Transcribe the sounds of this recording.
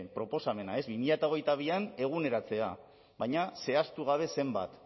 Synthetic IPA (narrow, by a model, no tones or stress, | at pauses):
pɾo̞po̞same̞nae̞zβimiʎat̪ao̞ɣ̞e̞jt̪aβ̞iane̞ɣ̞une̞ɾat͡se̞a | βajɲase̞ast̪uɣ̞aβ̞e̞se̞mba̰t̪